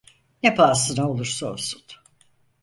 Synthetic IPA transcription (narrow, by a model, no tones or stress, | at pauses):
nɛpaːsɯnaolˠuɾsaosu̥n